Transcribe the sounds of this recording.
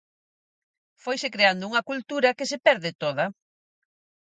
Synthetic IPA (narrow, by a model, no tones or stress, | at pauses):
fojsekɾeand̪ʊuŋɐkult̪uɾɐkesepɛɾðɪt̪oðɐ